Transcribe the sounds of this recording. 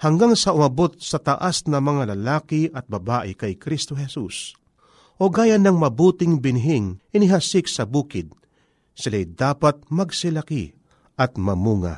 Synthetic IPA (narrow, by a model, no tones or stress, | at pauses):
hɐŋɡaŋsɐʊmɐbot̪̚sɐt̪ɐʔasnɐmɐŋalɐlaːkɪʔɐt̪̚bɐbaːʔɪkɐjkɾist̪oɦɛsus | ʔoɡaːjɐnɐŋmɐbuːt̪ɪŋbɪnɦɪŋʔɪnɪɦasɪksɐbuːkɪd̪̚ | sɪlajd̪aːpɐt̪̚mɐɡsɪlɐkḭ | ʔɐt̪̚mɐmuːŋa̰